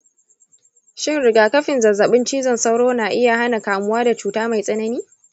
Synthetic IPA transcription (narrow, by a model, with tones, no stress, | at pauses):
ʃɪ˦˨nɾɪ˨ɡaː˨kɐ˦ɸɪ˨nzɐ˨zːɐ˨ɓɪ˦nt͡ʃiː˦zɔ˨nsa˦wɽoː˦naː˨ʔɪ˦ja˨ɦa˦na˨kaː˨mʊ˦waː˦da˨t͡ʃuː˨taː˦ma˨jsʼɐ˦nɐ˦niː˦